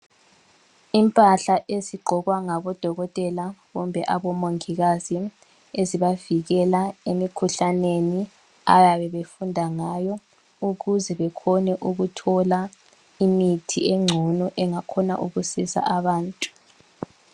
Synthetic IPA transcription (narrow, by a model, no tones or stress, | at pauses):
impʼaɬaʔeziɡ͡ǃʱɔɣwaŋaβɔd̥ʱɔɣɔtʼɛlaɣumbʱɛʔaβɔmoŋiɣazi | eziβaviɣɛlaemikʰuɬaneni | a̰ɣaβɛβefundʱaŋajɔ | uɣuzɛβɛkʰɔnɛʔuɣutʰɔla | imitʰieŋ͡ǀʱɔnɔʔɛŋakʰɔna̰ʔuɣusisa̰ʔaβaːntʼu̥